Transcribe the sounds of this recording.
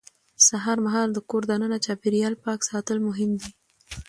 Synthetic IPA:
saɦɑɾmaɦɑld̪əkoɾd̪anənat͡ʃɑpeɾijɑlpɑksɑt̪əlmʊɦɪmd̪i

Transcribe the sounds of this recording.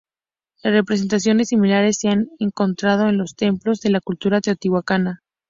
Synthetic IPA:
re̞pɾe̞s̬e̞nt̪asjo̞ne̞sːimilaɾe̞sːeane̞ŋko̞nt̪ɾað̞o̞e̞nlo̞st̪e̞mplo̞zðe̞lakult̪uɾat̪eot̪iɣwakana

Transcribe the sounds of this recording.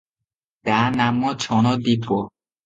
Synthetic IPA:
t̪anamot͡ɕʰɔnɔd̪ipo

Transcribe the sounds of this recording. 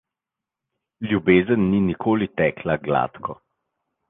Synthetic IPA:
ljubeːzənːinikʰoːlit̪ɛːkʰlaɡla̰ːt̪kʰɔ

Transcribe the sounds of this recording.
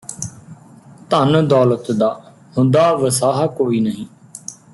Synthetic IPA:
t̪ənd̪ɔːlət̪d̪aː | hʊ̃nd̪aːʋəsaːɦakoːiːnəɦĩː

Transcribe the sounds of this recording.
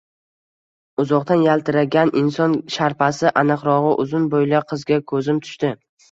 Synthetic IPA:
ʊzɒqt̪anjalt̪ʰɪɾaɡʲanʔɪnsɒnʃaɾpʰasɪʔanɨqɾɒʁɨʔʊzʊnbojlaqʰɨzɡʲakʰɵzɪmt̪ʰʊ̥ʃt̪ɪ

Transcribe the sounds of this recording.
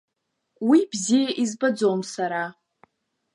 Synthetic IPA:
wibzijaʔizbad͡zomsaɾa

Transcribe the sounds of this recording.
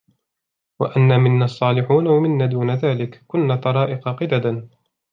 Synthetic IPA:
wa̰ʔanːaːmɪnːaːɑsˤːɑːlɪħuːnawamɪnːaːd̪uːnaðaːlɪkkːʊnːaːt̪ɑɾˤɑːʔɪqɑqɪd̪ad̪an

